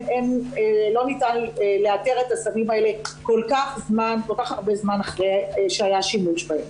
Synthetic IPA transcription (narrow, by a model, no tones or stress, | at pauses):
enelo̞nitaneleateʁetasamimaele̞kolkaχzmankolkaχaʁbezmanaχʁejʃeajaʃimuʃbahem